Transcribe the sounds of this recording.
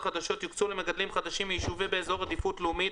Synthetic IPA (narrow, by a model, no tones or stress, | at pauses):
χad̪aʃo̞t̪jikt͡sulemeɡad̪limχad̪aʃimjiʃuvibeːzo̞ʁad̪ifutlumi